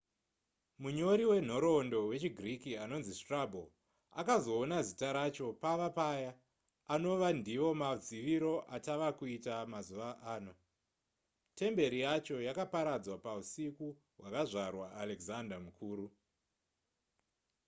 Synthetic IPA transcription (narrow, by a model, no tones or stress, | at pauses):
muɲo̞ɾiwe̞n̤o̞ɾo̞ndo̞we̞t͡ʃiɡʱrikiano̞nzistrabʱo | a̰kazo̞ːnazitaɾat͡ʃo̞paʋapajaː | no̞ʋandiʋo̞mad͡ziʋiɾo̞ʔataʋakuitamazuʋaʔaːno̞ | te̞mbe̞ɾijat͡ʃo̞jakapaɾad͡zwapausiku | wakaʐarwaːleɡzandamukʰuːɾu